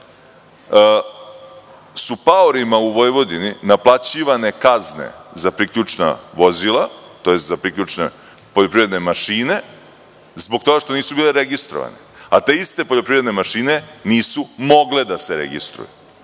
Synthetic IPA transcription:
supaoɾimauʋo̞jʋo̞d̪ininaplˠat͡ɕiːʋane̞kazne̞̰zapɾikʎut͡ʂna̰ʋo̞zilˠat̪o̞je̞st̪zapɾikʎut͡ʂne | po̞ʎopɾivɾe̞d̪ne̞maʃine̞ | zboɡ̚t̪o̞ɡaʃt̪o̞niːsubiːleɾeɡist̪ɾoʋa̰neat̪e̞ist̪e̞po̞ʎo̞pɾivɾe̞d̪ne̞maʃiːne̞niːsumo̞ɡled̪aseɾḛɡḭst̪ɾṵjṵ

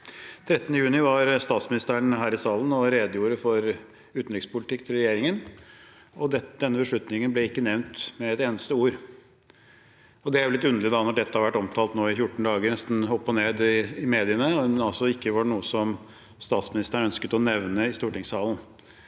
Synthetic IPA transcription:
t̪ʰɾɛt̪ːənəjʉːnɪʋɑɾst̪ɑːt̪smɪnɪst̪əɳɦæːɾɪsɑːlənɔɾeːd̪əjuːɾəfɔɾ | ʉːt̪n̩lɪɡspʰʊlɪt̪ʰɪkːt̪ʰɪlɾɛjeːɾɪŋən | ɔd̪ɛd̪ɛnːəbəʂɭʉt̪nɪŋənblɛɪkːənɛʋnt̪mɛɛt̪eːnəst̪əuːɾ | ɔd̪ɛæɾjʊlɪt̪ːʉnd̪əlɪd̪ɑnɔɖɛt̪ːəhɑɾʋæʈːɔmt̪ʰɑːlt̪noːɪfjʊʈːɳ̩d̪ɑːɡənɛst̪n̩ɔpːɔneːd̪ɪɪmeːd̪ɪənəɑlsɔɪkːəʋɑɳuːəsɔm | st̪ɑːt̪smɪnɪst̪əɳœnskət̪ɔnɛʋnəɪst̪uːʈɪŋsɑːlən

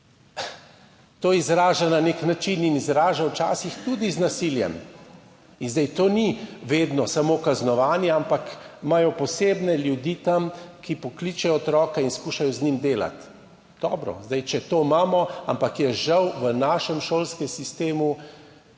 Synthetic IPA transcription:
t̪oːizɾaːʒananeknat͡ʃininizɾaːʒawt͡ʃaːsixt̪ud̪iznasiljɛ̰m | inzd̪ajt̪oːniʋeːd̪nɔsamokaznɔʋaːnjɛampakmajɔpɔseːbnɛljud̪iːt̪amkipɔklit͡ʃɛjɔːt̪ɾɔːkainskuːʃajɔznimd̪eːla̰t̪ | d̪̥ɔːbɾɔ̰zd̪ajt͡ʃɛt̪oːmaːmɔampakjɛʒɐwʋənaːʃɛmʃoːlskɛmsist̪eːmu

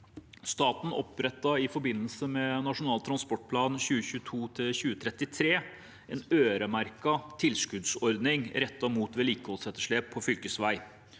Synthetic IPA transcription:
st̪ɑːt̪n̩ɔ̰pɾɛt̪ːɑɪfɔɾbɪnːəlsəmɛnɑʂʊnɑːlt̪ʰɾɑnspɔʈ̚pʰlɑːnçʉːəçʉːt̪ʰuːt̪ʰɪlçʉːət̪ʰɾɛt̪ːɪt̪ʰɾeː | ʔɛːnøːɾəmæɾkɑt̪ʰɪlskʉd̪sɔɾd̪nɪŋɾɛt̪ːɑmuːt̪ʋɛliːkəhɔlsɛt̪ːəʂɭeːpʰːɔfʏlkəsʋæɪ

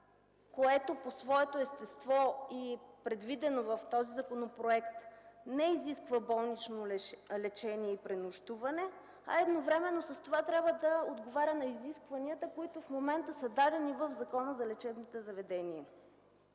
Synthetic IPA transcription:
koɛt̪oposvɔɛt̪oɛst̪ɛst̪vɔipɾɛd̪vid̪ɛnovɐft̪ɔzizɐkonopɾoɛkt̪nɛiziskvəbɔlˠnit͡ʃnollɛt͡ʃɛniɛipɾɛnoʃt̪uvɐnɛ | ɐ̰ɛd̪novɾɛmɛnːosəst̪ovat̪ɾʲabvəd̪ɐod̪ɡovaɾʲənɐiziskvɐniət̪əkoit̪ʊfmomɛnt̪əsəd̪ad̪ɛnivəvzɐkɔnəzɐlɛt͡ʃɛbnot̪ozɐvɛd̪ɛniɛ

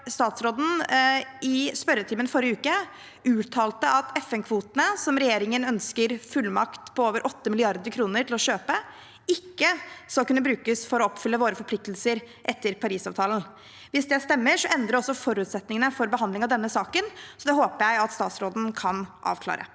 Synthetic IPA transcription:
st̪ɑːt̪sɾoːd̪n̩ | ɪspœɾət̪ʰiːmənfɔɾjəʉːkə | ʉːt̪ʰɑːlt̪əɑt̪ɛfɛnkʰʋuːt̪ənəsɔmɾɛjeːɾɪŋənœnskəɾfʉlmɑkt̪pʰɔoːʋəɾʔɔt̪ːəmɪlɪɑɾd̪əɾkʰɾuːnəɾʈʰɪlɔɕøːpə | ɪkːəskɑlkʉnːəbɾʉːkəsfɔɾɔɔpːfʏlːəʋoːɾəfɔɾpʰlɪk̚t̪lsəɾ | ʔɛt̪ːəɾpʰɑɾiːsɑːʋt̪ʰɑːln̩ | ʋɪsd̪ɛst̪ɛmːəʂɔʔɛnd̪ɾəɾɔsːɔfɔɾʉːt̪sɛt̪nɪŋənəfɔɾbəɦɑnd̪lɪŋɑʋd̪ɛnːəsɑːkənsɔd̪ɛɦoːpəɾjæɪɑt̪st̪ɑːt̪sɾoːd̪n̩kʰɑnʔɑ̰ːʋkʰlɑ̰ːɾʔə̰

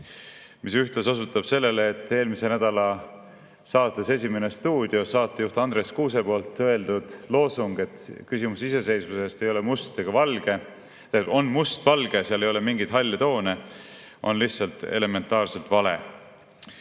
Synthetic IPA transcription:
misyht̪leso̞sut̪ːˑɑb̥se̞lːe̞leːt̪ːˑe̞ːlmise̞næd̪̥ɑlɑ | sɑːt̪ːˑe̞se̞s̬ʲime̞nest̪uːd̪̥io̞sɑːt̪ːˑeuht̪ɑnd̪ɾe̞skuːs̬e̞po̞ːlt̪ːɤe̞ld̪ud̪̥lo̞ːsuŋɡ̥e̞t̪kysimusise̞se̞jsmuse̞st̪e̞jo̞le̞must̪ːeɡ̥ɑvɑlɡ̥e | eo̞nmust̪vɑlɡ̥e̞seɑlejo̞lemiŋɡid̪ɦɑlʲːɑt̪o̞ːne | ʔo̞̰nlihtsɑlt̪e̞̰le̞me̞nt̪ːˑɑːrse̞lt̪vɑle̞̰

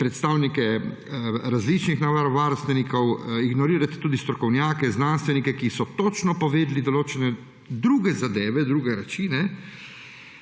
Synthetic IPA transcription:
pɾɛt̪st̪aːwnikɛ | ɾazlit͡ʃnixnaʋaɾɔʋaːɾst̪ʋɛnikɔwiɡnɔɾiːɾat̪t̪uːd̪ist̪ɾɔkɔwnjaːkɛznanst̪ʋɛnikɛkisɔt̪ɔt͡ʃnɔpɔʋeːd̪lid̪ɔloːt͡ʃɛnɛ | d̪ɾuːɡɛzad̪eːʋɛd̪ɾuːɡɛɾat͡ʃiːnɛ

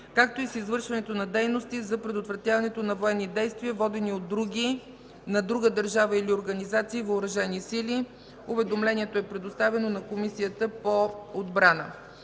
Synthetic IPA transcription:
kak̚t̪oisizvɤɾʃvɐnɛt̪onɐd̪ɛjnost̪izɐpɾɛd̪ot̪vɾɐt̪javɐnɛt̪onɐvoɛnːid̪ɛjst̪vʲiəvɔd̪ɛniod̪ːɾuɡʲi | nɐd̪ɾuɡəd̪əɾʒavəilioɾɡɐnizat̪siːvəʊɾɐʒɛnisili | ʊvɛd̪omlɛniɛt̪oɛpɾɛd̪ost̪avɛnonɐkomisijət̪əpood̪bɾanə̰

